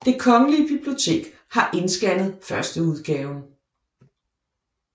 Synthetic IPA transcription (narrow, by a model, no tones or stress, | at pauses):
d̥e̝kʰɒ̽ŋəliəb̥ib̥lio̝t͡sʰe̝̰ːɡ̥ | hɑ̈ʔe̝nsɡ̥ænð̞ˠfɶɐsd̥əuð̞ˠɡ̥ɛːʊn